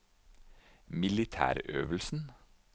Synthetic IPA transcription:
mɪlɪt̪ʰæ̰ːɾøːʋəl̩sn̩

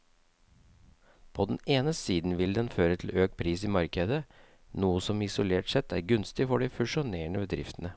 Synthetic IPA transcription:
pʰɔd̪ɛn̩eːnəsiːd̪n̩ʋɪld̪ɛnføːɾət̪ʰl̩øːk̚pʰɾiːsiːmɑɾkəd̪ə | nuːəsɔmɪsʊleːʈsɛt̪ʰːæːɾɡʉnst̪ɪfɔɖifʉʂʊneːɳəbəd̪ɾɪ̰ft̪ən̩ə

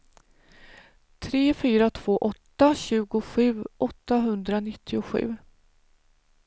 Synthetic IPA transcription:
t̪ʰɾeːfyːɾat̪ʰv̥oːʔɔt̪ːaɕʉ̟ːɡʊɧʉ̟ːʔɔt̪ːaɦɵnd̪ɾanɪt̪ːɪʊɧʉ̟̰ː

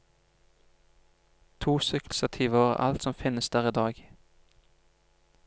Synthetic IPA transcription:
t̪ʰuːsʏkl̩sət̪ʰiːʋoːə̰ʔɑ̰lt̪sɔmfɪnəsd̪æːʁiːd̪ɑːɡ

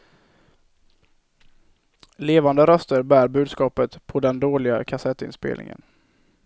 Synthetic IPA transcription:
leːvand̪əɾœst̪əɾbæːɾbʉ̟ːd̪skɑːpət̪pʰɔd̪ɛnd̪oːlɪɡa̰kʰasɛt̪ːɪ̰nspḛːlnɪ̰ŋə̰n

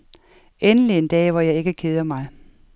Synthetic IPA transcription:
enəlie̝nd̥ɛ̰ːʋɒjɑ̈ɪe̝ɡ̥əkʰe̝ð̞ˠɐmɑ̈ɪ

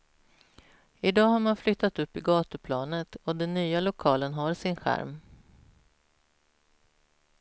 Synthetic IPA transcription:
ɪd̪ɑːɦaɾmanflʏt̪ːat̪ɵpːɪɡɑːt̪əpʰlɑːnət̪ɔd̪ɛnːyːalʊkʰɑːlənɦaɾsɪnɧæ̰ɾm

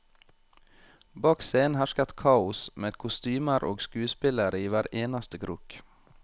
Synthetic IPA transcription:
bɑːkseːənhæʃkɑt̪kʰɑːʊsmeːd̪kʰʊst̪yːməɾʔo̰ːɡskʉːspɪləɾəiːʋæːɾeːnɑst̪əɡɾuːk

